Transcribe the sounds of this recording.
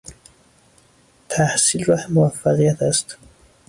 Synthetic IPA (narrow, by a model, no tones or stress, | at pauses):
t̪ʰahsilɾahmʊwafːaqijat̪ʰast̪